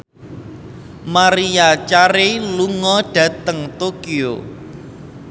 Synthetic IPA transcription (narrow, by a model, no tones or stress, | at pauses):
maɾiat͡ʃaɾeluŋɔɖ̥ä̤t̪əŋt̪okio̰